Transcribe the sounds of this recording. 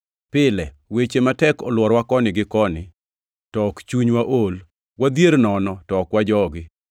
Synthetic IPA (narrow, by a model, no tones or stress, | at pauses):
pɪlɛ | wet͡ʃematɛkɔ̰lwɔɾwakɔnɪɡɪkɔnɪ | tɔkt͡ʃuɲwaʔol | wad̪jeɾnɔnɔtɔkwad͡ʒɔɡɪ